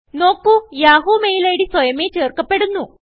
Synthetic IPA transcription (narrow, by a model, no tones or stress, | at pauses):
no̞ːkːujaːɦumejilɐjiɽiswɐjɐmet͡ɕeːrkɐpːeɽunːu